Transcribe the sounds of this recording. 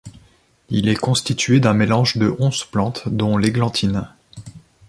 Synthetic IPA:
ilɛkɔ̃st̪it̪ɥed̪ɛ̃melɑ̃ʒd̪əʔɔ̃z̥plɑ̃t̪d̪ɔ̃leɡlɑ̃t̪ʰin

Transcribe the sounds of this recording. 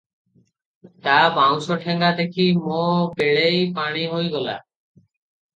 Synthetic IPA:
t̪abaw̃ʃoʈʰeŋɡad̪ekʰimobeɭejpaɽ̃iɦojɡɔla̰

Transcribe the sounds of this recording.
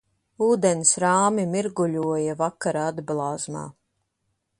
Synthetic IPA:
uːd̪ɛnsɾaːmimiɾɡuʎʲuɔjavakaɾaːad̪blˠɑːzma̰ː

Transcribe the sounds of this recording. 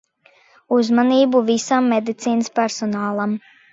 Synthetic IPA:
uzmaniːbuvisamːed̪it̪siːnɨspɛɾsɔnaːlˠam

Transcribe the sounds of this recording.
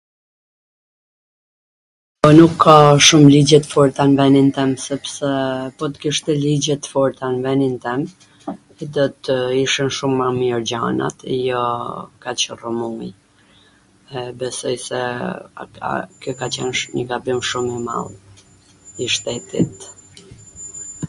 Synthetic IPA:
pɔnukʰːaʃumlid͡ʑɛt̪fɔɾt̪anvɛnint̪ɛmsɛpsɛpɔt̪kiʃt̪ɛlid͡ʑɛt̪əfɔɾt̪anvɛnint̪ɛm | ɛd̪ɔt̪əiʃinʃumːamiɔɾd͡ʑa̰na̰t̪jɔkat͡ɕərɔmuj | ɛbɛsɔjsɛ̰ | kjɔkat͡ɕɛ̰nɲəɡabimʃumima̰lˠ | iʃt̪ɛt̪ʰḭt̪

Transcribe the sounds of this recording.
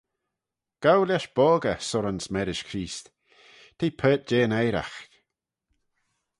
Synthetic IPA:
ɡ̥awlʲɛʃb̥ɔːɡəsɔɾansmɛɾɪʃkʰɾiːst̪ | t̪ʰiːpʰɛːt̪̚d͡ʒeːnɛjɾa̰x

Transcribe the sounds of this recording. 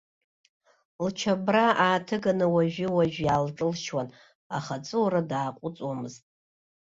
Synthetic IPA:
lt͡ʃʰabraʔaːtʰɨɡanɨwaʒᶣɪwaʒᶣjaːlʈ͡ʂʼɨlʃwan | aχat͡sʼɨwɾadaːqʷʼʊt͡sʼwamɨztʼ

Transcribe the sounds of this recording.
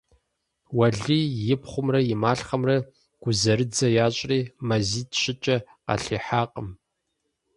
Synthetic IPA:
wɐɮiːjɪpχʷʊmrɐjɪmaːɬχɐmrɐ | ɡ̥ʷʊzɐɾɨd͡zɐjaːɕʼriːmɐziːtʰɕɪt͡ʃʼɐqɐ̰ɬiːħaːqʼəm

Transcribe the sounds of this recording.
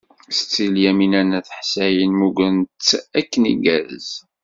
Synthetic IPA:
st͡sːiljæminænæθħsæjənmuɡənt͡sːækːənḭɡæðz

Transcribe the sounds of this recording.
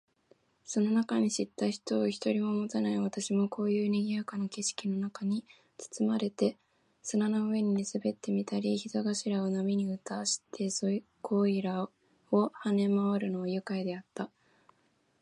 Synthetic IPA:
so̞no̞nakaɲ̟iɕit̪ːaçi̥t̪o̞ːçi̥t̪o̞ɾʲimo̞mo̞t̪anaiβat̪aɕimo̞kʰo̞ːjɯ̟ːneɡʲiakanoke̞ɕi̥kʲino̞nakaɲ̟i | t͡sɨ̥t͡sɨmaɾe̞t̪e̞ | sɨnanoɯβe̞ɲ̟insɨbe̞t̪ːe̞mʲit̪aɾʲiçit̪oɡaɕiɾaonamʲiɲ̟iɯ̟t̪aːɕi̥t̪ʰe̞soi | kʰo̞ːiɾa | o̞hane̞maβaɾɯ̟no̞βajɯ̟kaid̪e̞at̪ːa

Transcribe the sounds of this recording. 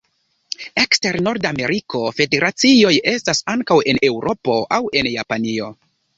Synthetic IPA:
e̞kste̞ɾno̞ɾdame̞ɾikʰo̞fe̞de̞ɾʔat͡sio̞je̞stasaŋkawe̞ne̞wɾʔo̞po̞ʔawe̞njapanio̞

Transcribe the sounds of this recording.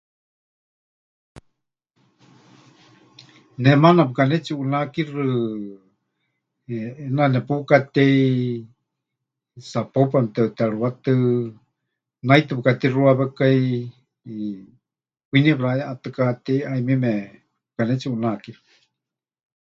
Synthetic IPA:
nɛmanapɨkanɛt͡ʃiunakirɨ | nanɛpukat̪ɛi | sapopamt̪ɛt̪aɺuwat̪ɨ | najt̪ɨpɨkat̪iruaβɛkai | kʷinipɺaɛat̪ɨkat̪ɛiaimimɛ | pɨkanɛt͡siunakirɨ̥

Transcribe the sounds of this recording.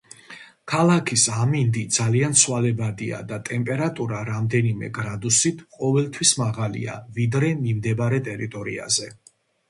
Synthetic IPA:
kʰalˠakʰisamind̪id̪zaliant̪sʰwalɛbad̪ia̰d̪at̪ʼɛmpʼɛɾat̪ʼuɾaɾamd̪ɛnimɛ̰ɡɾad̪usit̪ʰqʼɔvɛlˠt̪ʰwismaʁalḭa̰vid̪ɾɛmimd̪ɛbaɾɛt̪ʼɛɾit̪ʼɔɾḭa̰zɛ

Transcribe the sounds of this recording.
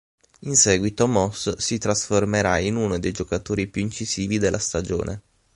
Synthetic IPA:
insɛːɡwit̪omɔssit̪ɾasformeɾainunod̪ejd͡ʒokat̪oːɾipjuint͡ʃiziːvid̪elːʔast̪ad͡ʒo̰ːnʔḛ

